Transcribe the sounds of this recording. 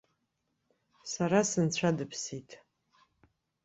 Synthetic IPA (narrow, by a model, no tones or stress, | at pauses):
saɾasɨnt͡ɕʷʰadɨpʰsitʰʼ